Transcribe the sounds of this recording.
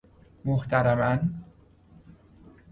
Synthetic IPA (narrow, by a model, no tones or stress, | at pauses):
moht̪ʰæɾæmæn